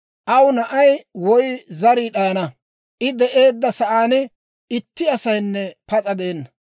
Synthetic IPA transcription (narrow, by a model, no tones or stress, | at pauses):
ʔɐwʊnɐʔɐjwɔjzɐɾiːɗɐjɐnɐ | ʔɪd̪ɛʔe̞ːd̪ːɐsɐʔaːnɪ | ɪt̪ːɪɐsɐjnːɛpɐt͡sʼɐd̪eːnːɐ